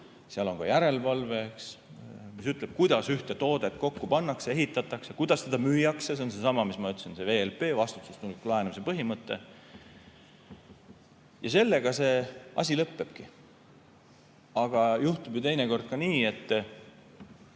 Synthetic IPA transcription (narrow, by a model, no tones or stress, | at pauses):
seɑlo̞ŋkɑ̰jæɾe̞lvɑlve̞ks | misyt̪ˑleb̥̚kujd̪̥ɑsyht̪et̪o̞ːd̪̥e̞t̪ːˑko̞kːupɑnːɑksee̞ɦit̪ːˑɑt̪ːˑɑksjekujd̪̥ɑst̪ed̪̥ɑmyːjɑkses̬eonse̞sɑmɑmismɑyt̪ːˑsense̞ve̞ːelpe̞ːvɑst̪u̥t̪ːsust̪unukːulɑenemisepɤɦimɤt̪ːe̞̰ | jɑse̞lːe̞ɡ̥ɑse̞ːɑ̰s̬ʲilɤpːe̞b̥ki | ɑɡ̥ɑjuht̪ubjut̪e̞jneko̞rd̪̚kɑniːe̞t̪ː